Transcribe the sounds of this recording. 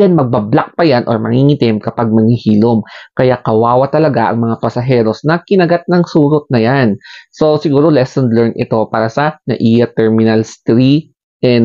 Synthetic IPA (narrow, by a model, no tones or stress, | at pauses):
d͡ʒɛnmɐɡ̚bɐblak̚pɐjanʔo̰ɹmɐ̰ŋiŋɪt̪ɪmkɐpaɡ̚mɐŋhihiːlomkɐjakɐwaːwɐt̪ɐlɐɡaʔɐ̰ŋmɐŋapɐsɐɦɛːɾo̞snɐkɪnɐɡat̪̚nɐŋsuːɾot̪̚nɐjanso̞sɪɡuːɾo̞lɛsond̪lɛɹnʔɪ̰t̪o̞paːɾɐsɐnɐ̰ʔiːjɐt̪ɛɹmɪnɐlst̪ɾi | ʔɛn